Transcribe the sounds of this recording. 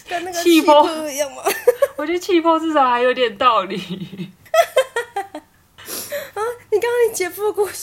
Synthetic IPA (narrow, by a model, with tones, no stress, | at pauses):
kə˧˦na˥˩ɡt͡ɕəi˥˧pʰɔ˥˦˧i˨˦jɑ˥˩ŋmɐ˨wɔ˨˩t͡ɕɛ˥˧t͡ɕʰi˥˧pʰɔ˥t͡sɹ̩˥˩t͡sɑ˨˩˦xa˧˥ɪjo˧˦i˥t̪jɛ˨˩nt̪ɑ˥˨ʊli˨˩ | ə˧˦ni˨˩kɑ˥˦ŋ˥i˨˩t͡ɕjɛ˨˥fu˥˩˧ku˥˧